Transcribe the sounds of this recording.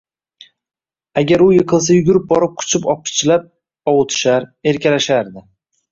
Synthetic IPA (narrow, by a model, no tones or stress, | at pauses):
aɡʲaɾʊjɨqʰɨlˠs̬ajʊɡʲʊɾɪp̚bɒɾɪp̚qʰʊ̥t͡ʃʰɪpɒp̚ɪ̥t͡ʃʰɪlap̚ | ɒwʊt̪ʰɪ̥ʃaɾe̞ɾkʲalaʃaɾd̪ɪ